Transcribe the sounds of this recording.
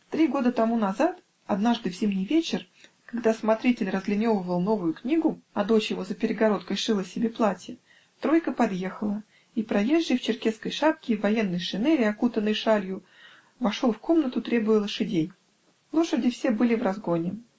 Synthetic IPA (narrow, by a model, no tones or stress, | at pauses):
t̪ɾʲiɡo̞d̪ət̪ɐmunɐzat̪ | ɐd̪naʐd̪ɨvzʲimnʲɪjvʲet͡ɕɪr | kaɡd̪asmɐt̪ɾʲitʲɪlʲrəzɡlʲɪnʲo̞vəvəlˠno̞vʊjʊknʲiɡʊɐd̪o̞t͡ɕjɪvo̞zəpʲɪɾʲɪɡɐɾo̞t̪kəjʂɨlˠəsʲɪbʲeplˠatʲɪ | t̪ɾo̞jkəpɐd̪je̞xəlˠə | ipɾɐjeʐjɪft͡ɕɪrkʲe̞t̪skəjʂap̚kʲɪːvːɐje̞nːəjʂɨnɛɾʲɪɐkut̪ənːəjʂalʲjʊ | vɐʂolˠfko̞mnət̪ʊt̪ɾʲe̞bʊjəlˠəʂɨdʲej | lˠo̞ʂɨdʲɪfsʲe̞bɨlʲɪvrɐzɡo̞nʲɪ